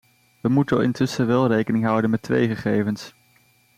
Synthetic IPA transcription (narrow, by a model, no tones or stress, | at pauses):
ʋəmutəɪ̰ntɵsəʋɛlˠrejkənɪŋɦʌwdənmɛtʰʋḛjχəχejvəns